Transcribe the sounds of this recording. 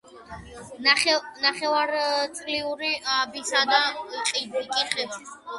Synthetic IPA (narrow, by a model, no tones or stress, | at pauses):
ɛnaχɛvaɾt̪sʼliuɾiabisad̪aqʼibikʼiχɛs